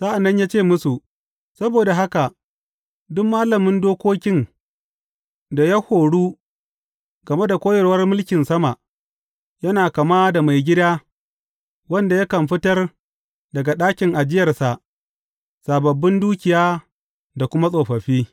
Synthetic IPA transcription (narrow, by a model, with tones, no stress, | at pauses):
saː˦ʔa˨nːɐ˦ɲjaː˦t͡ʃeː˦˨mʊ˦su˨ | sɐ˦boː˨da˨ɦa˦ka˨ | dʊ˦mːaː˦lɐ˨mɪ˦ndoː˦kʷoː˦kʲɪ˦n | da˨ja˦hoː˨ɽuː˦ | ɡ̥ɐ˨me˦da˨kʷoː˦jɐ˨rwɐ˦rmʊ˦lkʲɪ˨nsɐ˦ma˨ʔ | jɐ˦naː˨kɐ˨maː˦da˨ma˨jɡʲɪ˦daː˦ | wɐ˦nda˨ja˦kɐ˨mɸɪ˦tɐ˦r | dɐ˨ɡa˨ɗaː˦kʲɪ˨ŋʔa˨d͡ʒɪ˦jɐ˨rsa˨ʔ | saː˨bɐ˨bːɪ˦nduː˦kʲɪ˨jaː˦ | da˨kʷʊ˦ma˦sʼoː˨ɸɐ˨ɸiː˦